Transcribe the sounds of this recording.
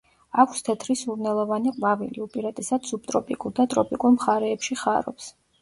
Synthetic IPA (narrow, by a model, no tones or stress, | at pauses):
akʰst̪ʰɛt̪ʰɾisuɾnɛlˠɔvaniqʼvavḭlḭupʼiɾat̪ʼɛsad̪sub̚t̪ʼɾɔpʼikʼuɾd̪at̪ʼɾɔpʼikʼuɾˠmχaɾɛːpʃiχaɾɔ̰ps